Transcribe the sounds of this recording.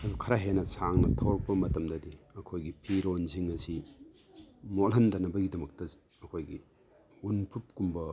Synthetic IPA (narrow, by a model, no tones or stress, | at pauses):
ɐdukʰɐɾaɦenɐsaŋnɐtʰɐwɾɐk̚pːɐmɐtɐmdɐdiɐkʰojɡipʰiɾonziŋɐsi | molɦɐndɐnɐbɐɡidɐmɐk̚tɐ | ɐkʰojɡi | unpʰup̚kumbɐ